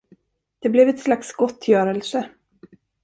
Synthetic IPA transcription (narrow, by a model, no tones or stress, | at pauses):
d̪̥ɛblɛvɛt̪slaksɡɔt̪ʰːjœːɾəlsə